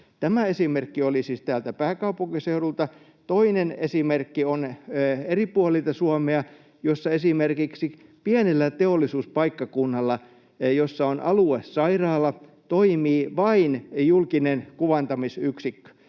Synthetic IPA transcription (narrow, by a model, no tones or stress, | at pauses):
t̪æmæesimerkːiolisiːst̪æːlt̪æpæːkɑupuŋkiseurult̪ɑ | t̪oinenesimerkːioneripuɑlit̪ɑsuɑmeɑ | josːɑesimerkiksipiænelːæt̪eolːisuːspɑikːɑkunːɑlːɑ | josːɑonʔɑluessɑirɑːlːˑɑt̪oimiːʋɑinjulkinenkuʋɑnt̪ɑmisyksikːø̥